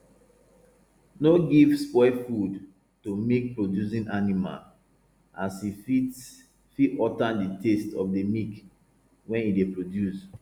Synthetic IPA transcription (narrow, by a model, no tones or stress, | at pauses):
noɡivspɔɪfud | tumek̚pɹodjus̬ĩnʔanima̰l | ʔasi | fitɔtãnditestɔfdəmik | wɛ̃nidepɹodjus